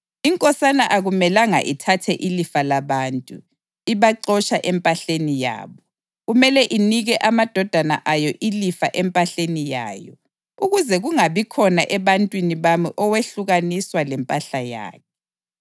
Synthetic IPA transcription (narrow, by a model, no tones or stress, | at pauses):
iŋkʼɔsanaʔaɣumɛlaŋa̰ʔitʰatʰɛʔilifalaβaːntʼṵ | iβaǀɔt͡ʃaʔɛmpʼaɬenija̰ːβɔ | ɣumɛlɛʔiniɣɛʔamad̥ʱɔd̥ʱana̰ʔajɔʔilifaʔɛmpʼaɬenija̰ːjɔ̰ | uɣuzɛɣuŋaβikʰɔnaʔɛβantʼwiniβamiʔɔweɬuɣaniswalɛmpʼaɬaja̰ːkʰɛ̥